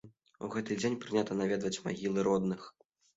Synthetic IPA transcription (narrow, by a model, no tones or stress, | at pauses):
ṵɣɛt̪ɨd͡zʲenʲpɾɨnʲat̪ɐnavʲɛd̪vɐt͡sʲma̰ɣʲilˠɨɾɔd̪nɨx